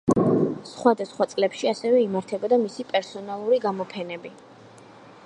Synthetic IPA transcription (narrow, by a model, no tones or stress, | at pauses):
sχwad̪asχwat̪sʼlɛpʃiasɛvɛimaɾt̪ʰɛbɔd̪amisipʼɛɾsɔnalˠuɾiɡamɔpʰɛnɛbi